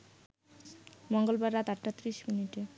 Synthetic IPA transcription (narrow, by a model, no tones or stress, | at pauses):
mɔŋɡolbaɾːat̪aʈːat̪ːɾiʃminiʈe